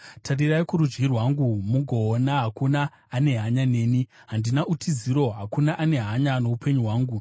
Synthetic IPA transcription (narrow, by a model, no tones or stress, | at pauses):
tʰariraikuɾud͡ʒɡirwaŋɡumuɡʱo̞ːnaɦakunaː | ne̞ɦaɲane̞ːniɦandinaʔutʰiziɾo̞ɦakunaʔane̞ɦaɲano̞upʰe̞ɲuɦwaːŋɡu